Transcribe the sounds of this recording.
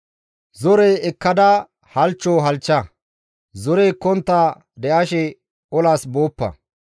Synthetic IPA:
zɔɾejɛkːɐd̪ɐ | hɐlt͡ʃːoːɦɐlt͡ʃːɐ | zɔɾeːkːɔnt̪ːaː | d̪ɛʔɐʃɛ | ɔlaːsboːpːɐ̰

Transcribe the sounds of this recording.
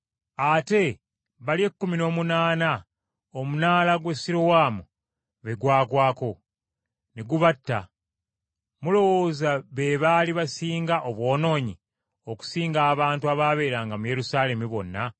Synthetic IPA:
ate̞ | βalie̞kːumino̞ːmunaːna | omunaːlaɡwesiɾowaːmu | βe̞ɡwaːkwaːko̞ | neɡuβatːa̰ | mulo̞woːzaβe̞βaliβasiːŋɡaʔoβwo̞ːno̞ːɲi | o̞ku̥siːŋɡaːβaːntuaβaːβe̞ːɾaŋɡamuje̞ɾusaːle̞miβo̞nːa

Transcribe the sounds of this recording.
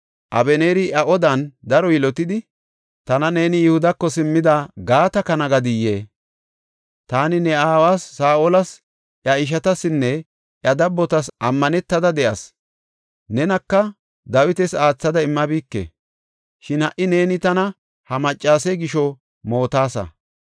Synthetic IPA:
ʔɐ̰bɛneːɾɪʔɐʔɔd̪ɐnd̪ɐɾɔjɪlɔt̪ɪd̪ɪ | t̪ɐnɐne̞ːnɪjʊhʊd̪ɐkːɔsɪmːɪd̪aɡaːt̪ɐkɐnɐɡɐd̪ɪjːeː | t̪aːnɪnɛaːwaːsːaːʔolɐs | ʔjɐɪʃ̬ɐt̪ɐsɪnːɛ | ʔjɐd̪ɐbːɔt̪ɐsʔɐmːɐnɛt̪ːɐd̪ɐd̪ɛʔɐs | nɛnɐkːɐ | d̪ɐwɪt̪ɛsaːt͡sːɐd̪ɐɪmːɐbiːkːḛ | ʃɪnhɐʔɪne̞ːnɪt̪ɐnɐ | hɐmɐt͡ʃʼːaːsɛɡɪʃɔ | mo̞ːt̪aːsɐ̰

